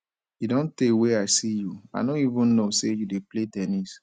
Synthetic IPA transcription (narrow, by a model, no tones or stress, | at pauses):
idõnteweaɪsijua̰ɪdõnivũnnosejudepletɛnis